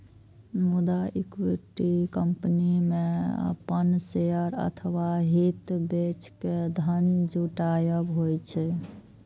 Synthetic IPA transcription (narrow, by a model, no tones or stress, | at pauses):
mud̪aikwiʈikəmpnimeə̰pənseəɾə̰t̪ʰəwaɦit̪bet͡ʃʰked̪ʱənd͡ʒuʈajəbɦojt͡ʃʰɛ